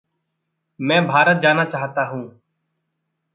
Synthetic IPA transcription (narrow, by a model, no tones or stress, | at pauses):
mɛ̃ːbʱaːɾət̪̚d͡ʒaːnaːt͡ʃaːɦt̪aːɦũː